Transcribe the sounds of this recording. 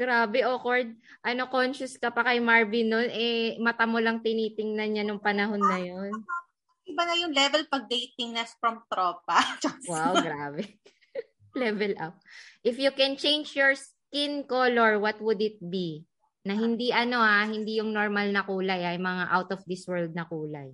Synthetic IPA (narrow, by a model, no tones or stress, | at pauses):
ɡ̥ɾaːbɛʔokoɹd̪̚ | ʔɐno̞konʃʊskɐpɐkɐjmaɹbɪnonʔɛmɐt̪ɐmolɐŋt̪ɪniːt̪ɪŋnɐnɲanʊŋpɐnɐɦo̞nːɐjon | ɪbanɐjʊŋlɛvɛlpɐɡ̚d̪ejt̪ɪŋnɛsfɹɐmt̪ɾoːp̚ɐwawɡɾaːbɛ | lɛvɛlʔawʔɪfjʊkɛnt͡ʃejnd͡ʒjoɹs | kɪnkoloɹwɐt̪wʊd̪ɪt̪̚bi | nɐɦɪnd̪iʔɐno̞ʔahɪnd̪ijʊŋnoɹmɐlnɐkuːlɐjajmɐŋaʔawt̪ɔfd̪ɪswɛɹld̪̚nɐkuːlɐ̰j